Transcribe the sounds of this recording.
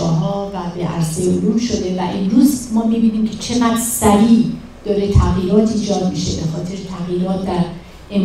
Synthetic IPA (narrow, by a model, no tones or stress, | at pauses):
ɒːɦɒːvæbeʔæ̰ɾsejoɾuːmʃo̞d̪e̞væʔemɾuːzmɒːmibiːniːmcʰe̞t͡ʃʰe̞mæksæɾiː | d̪̥ɒːɾe̞t̪ʰæɣjiɾɒːt̪ʰiːd͡ʒɒːd̪̚miʃebe̞xɒːt̪ʰe̞ɾet̪ʰæɣjiːɾɒːt̪̚ʰd̪æɾ | em